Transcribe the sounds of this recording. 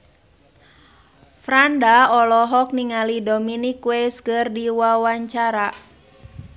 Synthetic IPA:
fɾandaɔlɔɦɔk̚niŋalidɔminikwɛskɨrdiwawaɲt͡ʃaɾa

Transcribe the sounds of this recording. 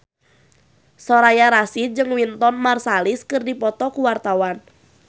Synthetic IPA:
sɔɾajaɾasid͡ʒɨŋwint̪ɔnmarsaliskɨrdipɔt̪ɔkuwart̪awan

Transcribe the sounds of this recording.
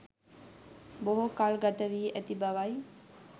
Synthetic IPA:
boɦokalɡat̪əʋiːʔæt̪ibaʋaj

